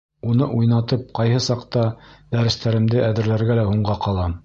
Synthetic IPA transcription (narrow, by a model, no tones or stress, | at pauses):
unɤʔujnɑt̪ɤp̚qɑjhɤsɑqt̪ɑd̪æɾɘ̆st̪æɾɘ̆md̪ɘʔæðɘ̆ɾlæɾɡælæhuɴɢɑqɑlˠɑ